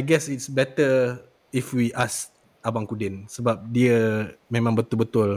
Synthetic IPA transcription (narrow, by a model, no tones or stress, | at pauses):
ajɡɛsitsbɛt̪ə | ifwiʔas | abaŋkudɪnsəbap̚diəmẽmãŋbət̪ʊlbət̪ʊl